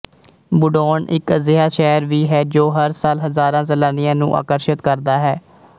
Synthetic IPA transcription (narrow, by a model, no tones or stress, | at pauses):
bʊɖoːnɪkzɪɦaːʃɛːɾʋiːɦɛːd͡ʒoːɦəɾsaːlɦəzaːɾãːzəlaːnɪjãːnṵ̃ːʔa̰ːkəɾʃət̪kəɾd̪aːɦɛː